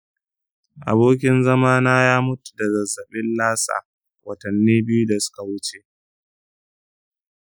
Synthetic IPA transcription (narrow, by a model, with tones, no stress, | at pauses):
ʔa̰˨boː˦kʲɪ˦nzɐ˦maː˦naː˦jaː˦mʊ˦tu̥˨da˨zɐ˨zːɐ˨ɓɪ˦nlaː˦sa̰ː˨ | wʔɐ˨tɐ˨nːiː˦bɪ˦ju˦da˨sʊ̥˦ka˨wʊ˦t͡ʃe˨